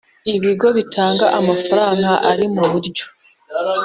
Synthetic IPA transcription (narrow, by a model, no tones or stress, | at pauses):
iβiɡo̞βitʰaːŋɡaʔamafaɾaːŋɡaʔaɾimuβuɾɟo̥